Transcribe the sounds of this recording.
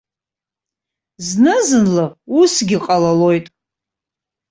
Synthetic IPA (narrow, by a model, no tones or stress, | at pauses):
znɨzɨnlausɡʲɪqʼalalo̞jtʼ